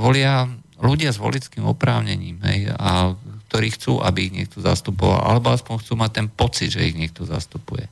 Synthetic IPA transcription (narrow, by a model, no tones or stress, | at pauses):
ʋɔlɪa | luɟɪazʋɔ̰lit͡skiːmɔ̰pɾaːʊɲɛɲiːmɦɛ̰jak̚t̪ɔɾiːxt͡suːʔabiiɣɲɪɛk̚t̪ɔza̰st̪upɔʋa̰lʔa̰lɛbɔaspɔɲxt͡suːmac̚t̪ɛnpɔt͡sid̪ʒɛiɣɲɪɛk̚t̪ɔza̰st̪upujɛ